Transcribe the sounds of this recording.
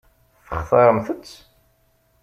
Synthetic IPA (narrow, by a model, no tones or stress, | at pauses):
θəχθˤɑɾˤəmθət͡sː